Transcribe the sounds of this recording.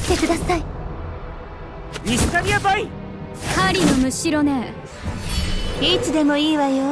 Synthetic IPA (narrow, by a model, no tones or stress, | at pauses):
t̪e̞kɯ̟d̪asai | isit̪aɾʲijabai | haɾʲinomɯ̟ɕiɾo̞ne | it͡sɨd̪e̞mo̞iːβajo